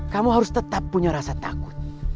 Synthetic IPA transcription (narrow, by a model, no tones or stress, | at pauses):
kamuɦaɾʊst̪ət̪apːuɲaɾasat̪a̰kʊ̥t̪̚